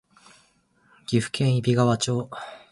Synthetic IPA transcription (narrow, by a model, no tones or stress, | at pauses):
ɡ̥ʲiɸɯ̟̥kʰẽɰ̃ibʲiɡaβat͡ɕo̞ː